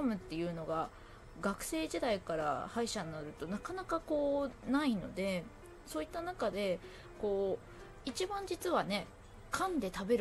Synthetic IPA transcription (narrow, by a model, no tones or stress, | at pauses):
omɯ̟t̪ːe̞jɯ̟ːno̞ɡa | ɡakɯ̟̥se̞ːʑid̪aikaɾa̰haiɕanːaɾɯ̟t̪o̞nakanakako̞ːnaino̞̰d̪e̞ | so̞ːit̪ːanakad̪e̞ | ko̞ː | it͡ɕibãɲ̟d͡ʑit͡sɨβane̞ | kʰãnd̪e̞t̪abe̞ɾ